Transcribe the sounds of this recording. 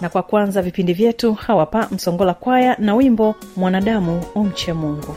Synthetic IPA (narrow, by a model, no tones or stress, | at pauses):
nakwakwanzavipindivjɛtuhawapam̩sɔŋɡɔlakwajanawimbɔmwanaɗamuɔm̩t͡ʃɛmuŋɡu